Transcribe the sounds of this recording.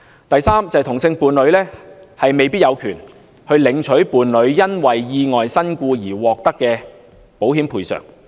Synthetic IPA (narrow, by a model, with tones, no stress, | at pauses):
t̪ɐ˨jsaː˥mt͡sɐ˨jt̪ʰʊ˨˩ŋsɪ˧ŋpuː˨nlɵ˨˧ɥlɛː˥hɐ˨jme˨jpi˥t̚jɐ˨˧wkʰyː˨˩n | hɵ˧ɥlɪ˨˧˥ŋt͡ʃʰɵ˨˥ɥpuː˨˧nlɵ˨˧˥ɥjɐ˥nwɐ˨jːiː˧ŋɔː˨jsɐ˥nkuː˧jiː˨˩wɔː˨k̚t̪ɐ˥kːɛː˧ | po˨˥wɦiː˨˥mpʰuː˨˧jsœ̰ː˨˩ŋ